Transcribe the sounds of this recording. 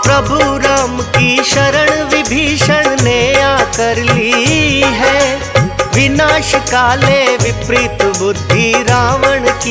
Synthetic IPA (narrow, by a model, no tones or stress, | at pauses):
pɾɐbʱuɾaːmkiʃɐɾəɽ̃ʋɪbʱiːʃəɽ̃nejaːkɐɾliːɦɛː | ʋɪnaːʃkaːleʋɪpɾiːt̪bʊd̪ʱːiɾaːʋəɽ̃ki